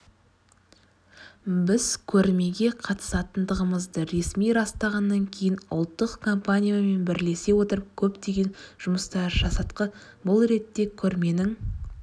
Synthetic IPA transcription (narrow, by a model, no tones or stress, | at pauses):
bɪzkʲʰɵɾme̞ɡʲe̞qʰɑt̪ə̥sɑt̪ənd̪əʁəməzd̪əɾe̞smijɾɑst̪ɑʁɑnːɑŋkʲʰe̞jɪnʊ̰lˠt̪ːəqkʰo̞mpanʲijame̞nbɪɾle̞se̞wo̞t̪əɾəp̚kʲʰɵpt̪e̞ɡʲe̞nʒ̥ʊməst̪ɑɾʒɑsɑt̪qə | bʊlˠɾe̞t̪ːe̞kʲʰɵɾme̞nɪŋ